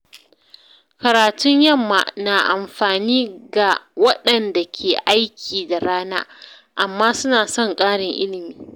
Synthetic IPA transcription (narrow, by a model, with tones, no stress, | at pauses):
kɐ˨ɾaː˨tʊ˦ɲjɐ˦˨mːa̰˨na˨ʔa˨mɸaː˨niː˦ɡa˨wɐ˦ɗɐ˨nda˨kʲʰeː˨ʔa˦jkʲʰiː˨da˨ɽaː˦na̰ː˦ | ʔa˨mːaː˦sʊ˦naː˨sɔ˦˨ŋkʼaː˦ɽɪ˨ŋʔɪ˦lɪ˨miː˦